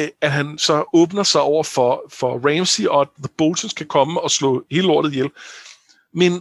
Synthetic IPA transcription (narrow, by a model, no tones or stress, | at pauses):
æd̥ɦænsɒ̽ɔːb̥nɐsɑ̈ɪʔɒʊ̰ɐfɒ̽fɒ̽ʁɛmsiɒ̽æ̥ðəb̥olsʰənskʰækʰɒ̽məɒ̽slɔ̰ːhe̝ːləɒɐdð̩ˠjel | men